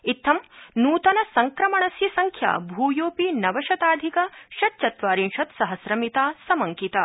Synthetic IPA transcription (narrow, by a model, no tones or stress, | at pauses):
it̪ʰːɐmnuːt̪ɐnɐsɐŋkɾɐmɐɳɐsjɐsɐŋkʰja̰ːbʱuːjoːpinɐʋɐʃɐt̪aːd̪ʱikɐʃɐt͡ʃɐt̪ʋaːɾinʃɐt̪sɐɦɐsɾɐmit̪aːsɐmɐŋkit̪aː